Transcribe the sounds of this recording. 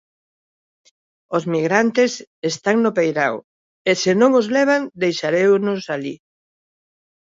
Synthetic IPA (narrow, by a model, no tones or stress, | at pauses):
ozmiɣɾant̪ɪsest̪aŋnʊpejɾaw | esɪnõŋozlɛβ̞aŋd̪ejʃaɾewnʊsalḭ